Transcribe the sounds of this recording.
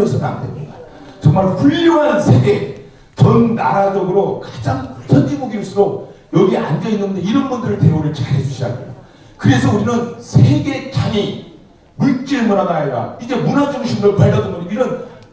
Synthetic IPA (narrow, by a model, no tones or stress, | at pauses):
ʌsʰʌna̰ndemɲiɡa | t͡ɕʌŋmaɭɸuʎːoɦansʰe̞ɡe̞ | t͡ɕʌnːaɾad͡ʑoɡɯɾokḁd͡ʑaŋpuɭtʰʌnd͡ʑimoɡiis͈ʰɯɾojʌɡiʔa̰nd͡ʑʌinːɯnde̞iɾʌnbundɯɾɯɭteoɾɯt͡ɕaɾesʰuɕʰid͡ʑa̰ɡim | kɯɾe̞sʰʌuɾinɯnsʰe̞ɡe̞t͡ɕaŋi | muk̚t͡ɕ͈iɯɭmʌnanaaida̰id͡ʑe̞munad͡ʑʌŋɕʰimɾopaʎːʌdɯnʌniiɯn